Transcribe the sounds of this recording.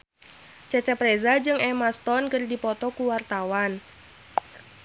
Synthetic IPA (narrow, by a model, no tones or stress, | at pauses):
t͡ʃat͡ʃapɾɛzad͡ʒɨŋɛmast̪ɔnkɨrdipɔt̪ɔkuwart̪awan